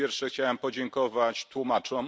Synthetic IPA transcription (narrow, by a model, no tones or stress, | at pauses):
jɛɾfʂɛxt͡ɕawɛmpɔd͡ʑɛŋkɔvat͡ɕt̪wumat͡ʂɔ̃m